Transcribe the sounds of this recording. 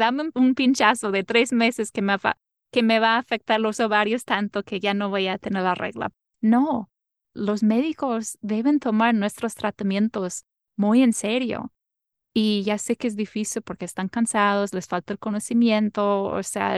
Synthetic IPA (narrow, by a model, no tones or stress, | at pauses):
ðameunpint͡ʃasoðet̪ɾe̞zme̞se̞skemafa̰ | keme̞βaːfe̞k̚t̪aɾlosoβaɾjost̪ant̪oke̞ʝano̞βojat̪eneɾlarḛɣla̰ | no | lo̞sme̞ðiko̞zðe̞βe̞nt̪o̞maɾnwe̞st̪ɾost̪ɾat̪amjẽ̞nt̪o̞z̥ | muje̞nseɾjo̰ | iʝase̞keezðifisilpo̞ɾkeːst̪aŋkansað̞osle̞sfalt̪aelko̞no̞simje̞nt̪oo̰sea̰